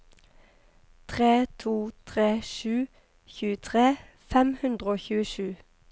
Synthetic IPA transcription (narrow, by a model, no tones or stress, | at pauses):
t̪ʰʁeːt̪ʰuːt̪ʰʁeːʃʉː | çʉːət̪ʰʁeː | fɛmhʉnd̪ʁəoːçʉːəʃʉː